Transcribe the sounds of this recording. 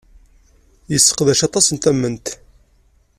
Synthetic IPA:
jəsːə̥qðæʃɑt̪ˤɑsənt̪æmːənt̪

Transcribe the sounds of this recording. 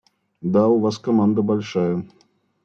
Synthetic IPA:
d̪auvaskamand̪ɐbalʲʂajɐ

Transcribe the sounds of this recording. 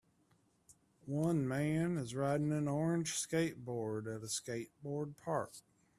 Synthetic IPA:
wʌ̃nmæ̃nɨzɹaɪɾ̃ⁿn̩ŋɨ̃nɔɹɨ̃ndʒ̥skeɪt̚b̥ɔɹɾɨɾɨskeɪt̚b̥ɔɹd̚pʰɑɹk̚

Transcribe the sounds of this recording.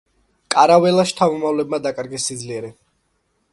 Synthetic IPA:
kʼaɾavɛlaʃt̪ʰamɔmavlɛbmad̪akʼaɾɡɛsːid̪zliɛɾɛ

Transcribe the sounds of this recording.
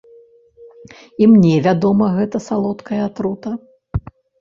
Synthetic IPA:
imnʲɛvʲad̪ɔmɐɣɛt̪ɐsalˠɔt̪kɐjɐt̪ɾut̪ɐ

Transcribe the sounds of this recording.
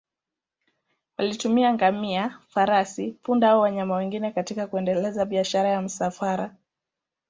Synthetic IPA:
walitumiaŋɡamiafaɾasipundaaɔwaɲamawɛŋɡinɛkatikakuɛndɛlɛzaɓiaʃaɾajam̩safaɾa

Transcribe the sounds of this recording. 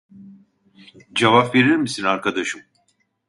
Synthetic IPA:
d͡ʒevapve̞ɾiɾmisinaɾkad̪aʃɯm

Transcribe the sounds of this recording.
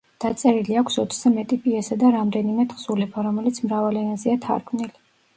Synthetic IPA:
d̪̥at̪sʼɛɾiliakʰsɔt̪ʰz̥ɛmɛt̪ʼipʰʼiɛsad̪aɾamd̪ɛnimɛt̪ʰχsulɛpʰaɾɔmɛlit̪sʰmɾavalɛnaziat̪ʰa̰ɾɡʰmnili

